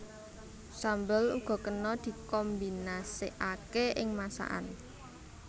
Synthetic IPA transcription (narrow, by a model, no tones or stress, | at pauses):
sambəlṵɡ̥ɔ̤kənɔd̪̥i̤kombinaseʔakeɪŋmasa̰ʔa̰n